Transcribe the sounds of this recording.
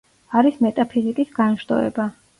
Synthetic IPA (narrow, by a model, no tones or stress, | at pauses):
aɾismɛt̪ʼapʰizikʼisɡanʃd̪ɔ̰ɛ̰ba